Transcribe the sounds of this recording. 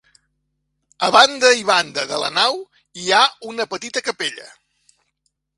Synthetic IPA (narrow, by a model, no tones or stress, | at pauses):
əβand̪əiβ̞and̪əðə̰lə̰naw | iaunəpət̪it̪əkəpeʎə̰